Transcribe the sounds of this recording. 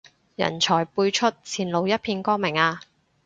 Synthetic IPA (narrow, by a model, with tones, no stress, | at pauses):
jɐ̰˨˩nt͡ʃʰɔː˨˩jpuː˧jt͡ʃʰɵ˥t̚t͡sʰiː˨˩nlo˨˩wjɐ˥t̚pʰiː˧nkɔː˥ŋmɪ˨˩ŋaː˧